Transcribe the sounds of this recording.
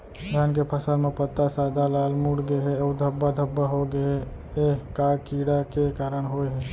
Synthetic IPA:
ɡʱankepʰəsəlmepət̪ːasad̪ʱalalmuɽɡeɦeəud̪ʱəbːad̪ʱəbːaɦoɡeɦe | ekakiɽakekaɾəɳɦojɦe

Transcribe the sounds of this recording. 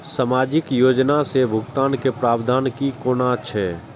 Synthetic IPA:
samaːd͡ʒɪkjoːd͡ʒnasebʱʊɡt̪aːnkepɾaːbd̪ʱaːnkikoːnat͡ʃʰɛ

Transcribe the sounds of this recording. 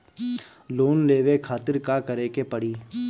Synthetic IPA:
loːnleːʋekʰaːt̪ɪɾkakəɾekepəɽiː

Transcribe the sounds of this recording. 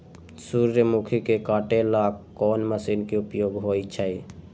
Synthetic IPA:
suɾːəmukʰikekaʈelakkːɔnməsinkeupjoɡɦojt͡ʃʰəj

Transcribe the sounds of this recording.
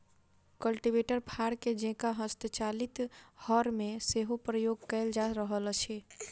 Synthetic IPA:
kəlʈiʋeːʈəɾpʰaːɽked͡ʒẽːkaɦəst̪ət͡ʃaːlɪt̪hɔːɾmẽseːɦopɾəjoːɡkɛɪld͡ʒaːɾəɦəlt͡ʃʰeː

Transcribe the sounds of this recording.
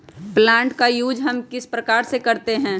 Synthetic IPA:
plãːɳʈkajuːd͡ʒɦɐmkɪspɾəkaːɾsekɐɾt̪eɦɛ̃ː

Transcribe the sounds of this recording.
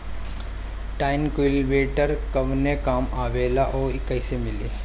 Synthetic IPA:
ʈaːɪnkʊlʋeːʈəɾkɐʋnekaːmaːʋeːlaʔoːɪkəɪsemɪleː

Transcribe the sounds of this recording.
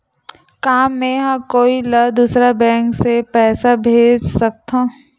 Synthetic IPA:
kaːmːẽɦãkoːiləd̪uːsɾabɛ̃ːŋksepɛːsabʱeːd͡ʒsɐk̚t̪ɦãː

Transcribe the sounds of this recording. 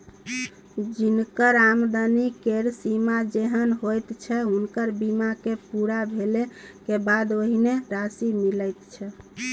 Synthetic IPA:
d͡ʒinkəɾamd̪anikeɾsimad͡ʒeɦənɦojt̪t͡ʃʰɛɦunkəɾbimakepuɾabʱelekebad̪oɦineɾasimiləjt̪t͡ʃʰɛ

